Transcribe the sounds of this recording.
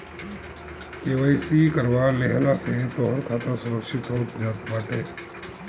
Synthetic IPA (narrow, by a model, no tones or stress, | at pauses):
keːʋəɪsikəɾʋaːleɦlaset̪oːɦəɾkʰaːt̪asʊɾəkʃɪt̪okd͡ʒaːt̪baːʈeː